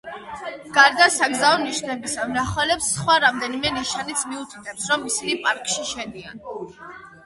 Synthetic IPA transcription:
ɡ̥aɾd̪asaɡzaɔniʃnɛbisamnaχɛlɛpsːχwaɾamd̪ɛnimɛniʃanit̪sʰmiut̪ʰi̥t̪ʰɛpsɾɔmːisinipʼaɾkʼʃiʃɛd̪ia̰n

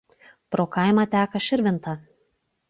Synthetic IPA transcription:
pɾoːkɐɪmɑt̪ʲæːkɐʃʲɪɾʲʋʲɪnt̪ɐ

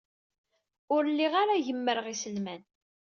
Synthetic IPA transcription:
ʊɾlːiʁaɾaʝəmːəɾʁisəlmæn

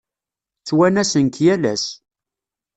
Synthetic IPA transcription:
t͡sːwænæsənkjælæ̰s

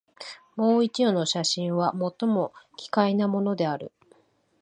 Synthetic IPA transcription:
mo̞ːit͡ɕijono̞ɕaɕĩɰ̃βamo̞t̪ːo̞mo̞kʲi̥kainamo̞no̞d̪e̞aɾɯ̟

